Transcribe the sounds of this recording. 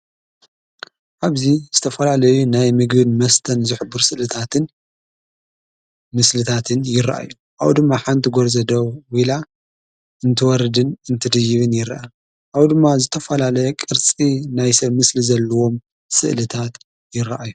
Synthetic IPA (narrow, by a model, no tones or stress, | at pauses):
ʔaβziz̥ɨt̪ʰɐfɐlalɐjunajmɨɡbɨnmɐst̪ʰɐnzɨħɨbːɨɾsɨʔlɨt̪ʰat̪ʰɨn | mɨslɨt̪ʰat̪ʰɨnjɪɾa̰ʔa̰jːu | ʔawd̪ɨmːaħant̪ʰiɡoɾzɐd̪ɐwwila | ʔɨnt̪ʰɨwɔɾɨd̪ɨnɨnt̪ʰɨd̪ɨjɪβɨnjɪɾa̰ʔa | ʔawd̪ɨmːazɨt̪ʰɐfɐlalɐjɛkʼɨɾt͡sʼinajsɐmɨslizɐlːɐwo̞m | sɨ̰ʔlɨt̪ʰat̪ | jɪɾaʔaju